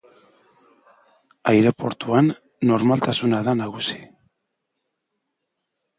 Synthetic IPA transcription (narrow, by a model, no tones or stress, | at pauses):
ajɾe̞po̞ɾt̪uanː | o̞ɾmalt̪asunaðanaɣ̞usi̥